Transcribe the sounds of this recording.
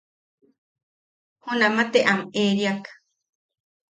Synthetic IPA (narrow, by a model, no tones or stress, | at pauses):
hunãmat̪eʔameɾiakḁ